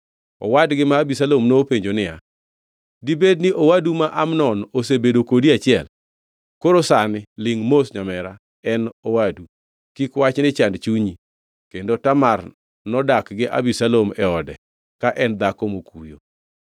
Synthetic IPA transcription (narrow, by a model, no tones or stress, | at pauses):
ɔ̰wadɡɪmaːbisalomnopeɲd͡ʒonɪja̰ | dibed̚nɪʔowadumaʔamnɔnosebedokodiat͡ʃɪɛl | koɾosanɪlɪŋmosɲamɛɾa | ɛnowadu | kikwat͡ʃnɪt͡ʃandt͡ʃuɲi | kendotamar | nɔdakɡɪʔa̰bisalomɛɔdɛ | kaʔɛnd̪akomokujo